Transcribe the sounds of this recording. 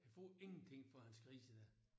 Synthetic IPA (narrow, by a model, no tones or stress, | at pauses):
kʰæfɔ̰ːe̝ŋn̩t͡sʰe̝ŋ̰fɒhænskʁḭːsəd̥æɐ̰